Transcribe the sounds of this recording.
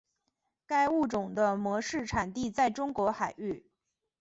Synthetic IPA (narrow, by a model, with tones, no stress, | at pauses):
ka˥˧ɪu˥˩ʈ͡ʂʊ˨˩ŋd̪ə˦mwɔ˧˥ʂɻ̩˥˩ʈ͡ʂʰa˨˩nt̪i˥˧t͡sa˥˩ɪʈ͡ʂʊ˥ŋkwɔ˧˥xa˨˩ɪy˥˩